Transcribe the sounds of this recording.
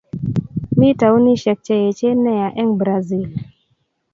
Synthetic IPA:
mi˦ta˨u˦ni˦ʃɛ˨k̚t͡ʃɛ˨jɛ˨t͡ʃe˦nɛ˦ja˨ʔɛ˦ŋbɾa˨zi˦˨l

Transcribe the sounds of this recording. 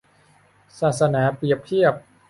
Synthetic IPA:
saː˨˩t̪̚sa˧naː˩˦pi˨˩əp̚t̪ʰi˥˩əp̚

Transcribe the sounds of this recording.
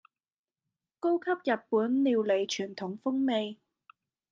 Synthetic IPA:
ko˥wkʰɐ˥p̚jɐ˨˩t̚puː˨˥nliː˨˧wle˨˩jt͡ʃʰyː˨˩nt̪ʰʊ˨˥ŋfʊ˥ŋme˨˧j

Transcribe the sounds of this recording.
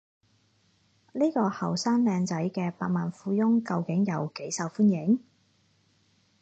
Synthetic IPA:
ni˥jkɔː˧hɐ˨˩wsaː˥nlɛː˧ŋt͡sɐ˨˥jkɛː˧paː˧t̚maː˨˩nfuː˧jʊ˥ŋkɐ˧wkɪ˨˥ŋjɐ˨˧wke˨˥jsɐ˨˧wfuː˥njɪ˨˥ŋ

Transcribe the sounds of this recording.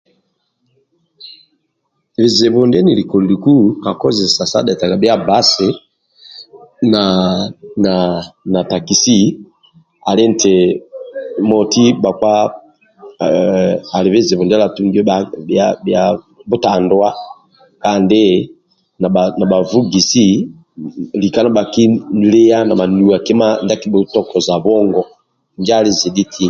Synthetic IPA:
βi˨ze˨bɔ˨nde˦ni˨li˨kɔ˨li˨li˨ku˦ka˨kɔ˦zi˨sa˨sa̰˦dɛ˨ta˨ka˨bja˦ba˦se˨˦ | na˨na˨na˨ta˨ki˨si˦ | a˨le˦n˨te˨ | mɔ˨ti˦ba˨kwa˦ | a˨le˨βe˦ze˨βɔ˨nda˦la˨tu˦ŋɡɛ˦a˦ja˨bja˨ | bo˦ta˨ndwa˦ | ka˨nde˦ | na˨a˨na˨ba˨vu˦ɡi˨si˦ | li˨ka˦na˦ba˨ki˦le˦a˦na˨ma˨nu˨a˨ke˦ma˦nda˦˨ki˦bu˨tɔ˦kɔ˨za˨βɔ˦ŋɡɔ˦˨ | nd͡ʒa˦˨le˦˨zi˨di˦tʰi˦

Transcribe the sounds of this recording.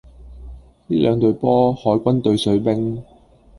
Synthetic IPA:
liː˥lœː˨˧ŋt̪ɵ˨˧ɥpɔː˥hɔː˨˥jkʷɐ˥nt̪ɵ˨˧ɥsɵ˨˥ɥpɪ˥ŋ

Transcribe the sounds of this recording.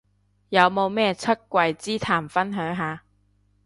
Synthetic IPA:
jɐ˨˧wmo˨˧wmɛː˥t͡sʰɵ˥t̚kʷwɐ˧jt͡siː˥t̪ʰaː˨˩mfɐ˥nɦœː˨˥ŋɦaː˨˧

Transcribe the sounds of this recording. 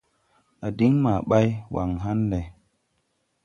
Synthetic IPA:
a˨di˦ŋma˨ɓa˦jwa̰˨ŋɦa˦nle˨

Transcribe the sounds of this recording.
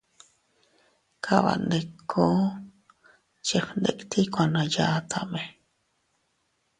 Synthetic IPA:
kʰa˨βa̰˨nd̪e˧kʰːo˦ | t͡ʃe˨ɸnd̪e˨kt̪ʰi˦kʷã˧nã˨ja˧t̪ʰa̰˧ʔmẽ˨

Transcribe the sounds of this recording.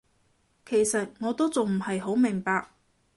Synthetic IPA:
kʰe˨˩jsɐ˨t̚ŋɔː˨˧t̪o˥t͡sʊ˨ŋm̩˨˩hɐ˨jɦo˨˥wmɪ˨˩ŋpaː˧k̚

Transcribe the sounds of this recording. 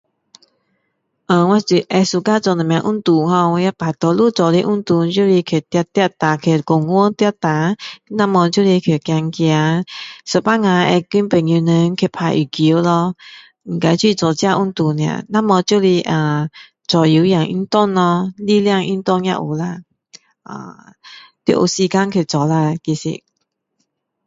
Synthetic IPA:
ʔə̃˨˩wã˧t͡ɕi˨˩ʔɛ˧su˧˨ka˦t͡sɔ˨nə˨mj̃ã˨ʔu˦˥˨nt̪u˨˩hɔ˧wɔ˧˦ja˦˧˥pa˨˩t̪ɔ˧lu˥˧˨t͡sɔ˨li˧˦ʔu˥˦nt̪u˧t͡ɕju˥˧˦li˧kʰe˨˩˨t̪ja˧t̪ja˧˩t̪a˨kʰe˧˨kʊ˨ŋɔ˦t̪ja˧˩t̪a˨˦nã˧˥˨mɔ̃˧t͡ɕju˥˨li˧kʰe˨˩kja˧ŋkja˧sə˨˩pa˦˨ŋã˧ɛ˧ki˧˦npe˨ŋju˧nə˧˦ŋ˦kʰe˧˨pʰa˧jʔi˨˩ki˨˦lɔ˧ | ŋ̩˨˩ka˧jt͡ɕi˧˨t͡sɔ˨˩t͡ɕjã˥˧ʔu˥˦nt̪u˧nj̃ã̰˧˨nã˥˨mɔ˧t͡ɕju˦˨li˧ʔa˧˩ | t͡sɔ˨˩ji˨˦ja˨ŋʔḭ˦nt̪ɔ˥˨nlɔ˧li˧lja˥˧˨ŋʔḭ˦nt̪ɔ˥˧˨njã̰˧˨ʔṵ˨˩la˧˨ | ʔa̰˧˨ | t̪i˧˦˨ʔu˨˩si˧ka˦nkʰe˧˩˨t͡sɔ˨la˧˨ki˧sḭ˧

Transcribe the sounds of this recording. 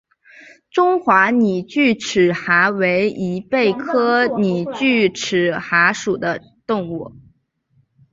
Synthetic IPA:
ʈ͡ʂʊ˥ŋxwa˧˥ni˨˩t͡ɕy˥˩ʈ͡ʂʰɻ̩˨˩xa˧˥we˧˥ɪi˧˥pe˥˩ɪkʰɤ˥ni˨˩t͡ɕy˥˩ʈ͡ʂʰɻ̩˨˩xa˧˥ʂu˨˩d̪ə˦ | t̪ʊ˥˧ŋu˥˩

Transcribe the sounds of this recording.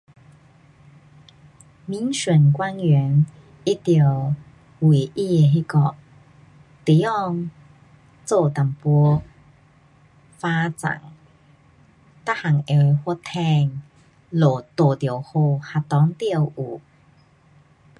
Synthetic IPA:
mi˧˦nɕə˨˩nkwa˦˥njɛ˨˦n | i˦t̪i˧˩ | wi˨˩ʔi˧e˨˩ɦi˧kɔ˧ | t̪i˨˦ɔ˥˧ŋ | t͡so˥˧t̪a˨˩mpɔ˧˦ | fa˦˥t͡sa̰˨˩ŋ | t̪a˥ha˨˩ŋe˧˩we˧hwɔ˦˥t̪ʰɛ˧˨ŋ | lo˨˩t̪o˨˩t̪jə˨˩ho˧ha˧t̪ɔ˨˦ŋt̪i˥˧ə˨wʔu˨˩

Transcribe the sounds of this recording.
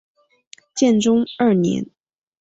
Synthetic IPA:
t͡ɕjɛ˥˩nʈ͡ʂʊ˥ŋə˞˥˩njɛ̰˧˥n

